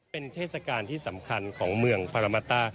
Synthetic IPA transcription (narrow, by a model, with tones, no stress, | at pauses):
e˧nt̪ʰeː˥˩t̪̚sa˧kaː˧nt̪ʰiː˥˩sa˩˦mkʰa˧nkʰɔː˩˦ŋmɯ˧əŋpʰa˧ɾa˧ma˧t̪aː˥˩